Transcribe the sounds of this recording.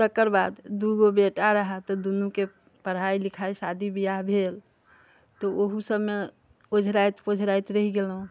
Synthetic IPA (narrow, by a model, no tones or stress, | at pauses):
t̪əkːəɾbad̪d̪uɡobeʈaɾəɦat̪ɔd̪unuke | pəɽ̤ɦailikʰaisad̪ʱibijaɦbʱel | t̪ɔoɦusəbme | od͡ʒʱɾajt̪pod͡ʒʱɾajt̪ɾəɦiɡelɦũ